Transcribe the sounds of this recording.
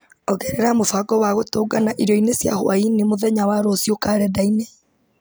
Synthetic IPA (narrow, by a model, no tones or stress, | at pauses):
ɔɣɛɾɛɾamofaɡɔwaɣotoːɡanaʔiɾɔinesja̰ho̰ainemoðɛɲawaɾoːsjokaɾɛdaine